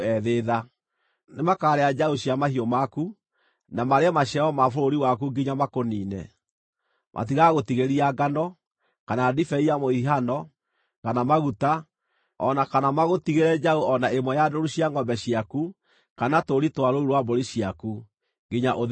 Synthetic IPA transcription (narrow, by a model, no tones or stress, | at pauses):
ɛðeða | nemakaɾead͡ʒaoɕijamahiɔmaku | namaɾeamaɕɛɔmafoɾoɾiwakuŋɡiɲamakoniːnɛ̰ | mʔa̰tiɣaɣotiɣeɾiaɡanɔ | kanadifɛiamoiɦanɔ | kanamaɣuta | ɔnakanamaɣotiɣeɾɛd͡ʒaoɔnaemwɛjadoɾuɕiaŋɡɔmbɛɕiaku | kanatoɾitwaɾouɾwaboɾiɕiaku | ɡiɲaʔo